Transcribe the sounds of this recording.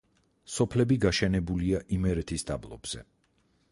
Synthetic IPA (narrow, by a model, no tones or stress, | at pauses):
sɔpʰlɛbiɡaʃɛnɛbuliaʔimɛɾɛt̪ʰisd̪ablˠɔ̰bz̥ɛ